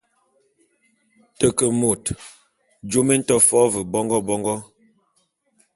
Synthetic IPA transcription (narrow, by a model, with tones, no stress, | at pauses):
tə˨kə˨mo˨t | d͡ʒo˦me˦n̩˦tɔ˦fɔ˦və˨bɔ˦ŋɡɔ˦bɔ˦ŋɡɔ˦